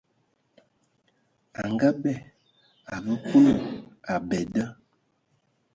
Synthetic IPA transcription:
a˨ŋɡa˦bɛ˦˨ | a˨bə˦ku˦lə˨a˨bɛ˨də˦

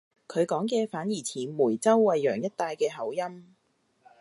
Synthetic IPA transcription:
kʰɵ˨˧ɥkɔː˨˥ŋkɛː˧faː˨˥njiː˨˩t͡sʰiː˨˩muː˨˩jt͡sɐ˥wːɐ˨jːœː˨˩ŋjɐ˥t̚t̪aː˧jkɛː˧ɦɐ˨˥wjɐ˥m

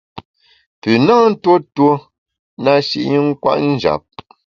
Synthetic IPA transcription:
pʉ˨na˦n̩˦two˦two˦ | na˦ʃi˨ʔɲi˦ŋ̩˦kwa̰˦ʔn̩˦d͡ʒa̰˨p̚

